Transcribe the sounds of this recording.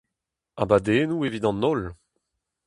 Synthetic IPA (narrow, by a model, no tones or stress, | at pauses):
a̰bad̪enuevid̪ɑ̃nɔl